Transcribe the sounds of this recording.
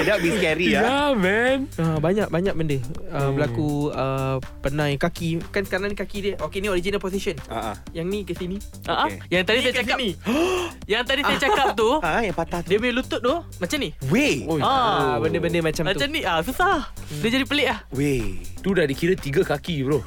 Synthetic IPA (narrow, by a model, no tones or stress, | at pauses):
ədabiskɛɾiamɛmabaɲak̚baɲak̚bəndəəbəlakuəpənãjaŋkakikansə̥kaɾaŋnikakidiəʔokenioɾid͡ʒinalpɔs̬isəna̰ | jaŋnĩkəsini | ʔaʔajaŋt̪adisajaakai | jaŋt̪adisajət͡ʃakap̚t̪ujaŋpat̪at̪diəmejlut̪ʊt̪̚t̪omat͡ʃamniweoabəndəbəndəmat͡ʃamat̪t͡ʃamnĩasusahdəd͡ʒadipəleʔahwet̪udahdikiɾət̪iɡəkakibɾo